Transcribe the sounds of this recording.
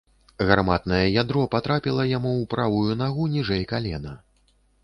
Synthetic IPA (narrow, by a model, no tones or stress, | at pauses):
ɣarmat̪nɐjɛjad̪ɾɔpat̪ɾapʲilˠɐjamuwpɾavujunaɣunʲiʐɛjkalʲɛnɐ